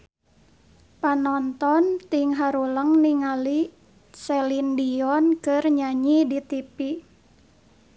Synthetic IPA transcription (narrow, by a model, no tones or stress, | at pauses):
panɔnt̪ɔnt̪iŋɦaɾuləŋniŋali | sɛlindiɔnkɨrɲaɲidit̪ipi